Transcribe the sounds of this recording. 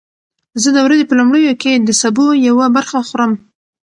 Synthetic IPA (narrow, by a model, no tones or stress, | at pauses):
zəd̪əwɾazepəlumɽəjoked̪əsabojawabaɾxaxoɾəm